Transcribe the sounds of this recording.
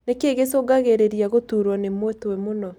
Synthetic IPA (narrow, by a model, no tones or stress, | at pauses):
nekeɣesoɡaɣeɾeɾjaɣotuɾwɔnemwoetowɛmonɔ